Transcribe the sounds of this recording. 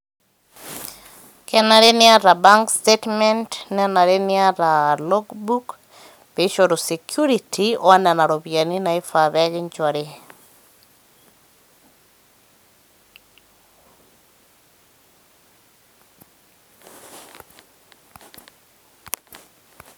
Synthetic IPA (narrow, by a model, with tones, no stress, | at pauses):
kɛ˦na˨ɾe˦nɪ˦a˦ɾa˨ba˦ŋkstetmɛ˦ntnɛ˦na˨ɾe˦nɪa˦ɾa˨lo˦ɡbu˦k | pe˨˦ʃo˨ɾo˨se˨kʰju˦ɾitʰioa˦na˨na˨ɾo˨bja˨ni˦na˨ɪ˦fa˨ðɛ˦ɡɪ˦nt͡ʃɔ˨ɾi˦